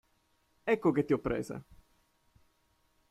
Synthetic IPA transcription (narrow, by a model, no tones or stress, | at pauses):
ɛkːoket̪ːiɔpːɾḛːzḛ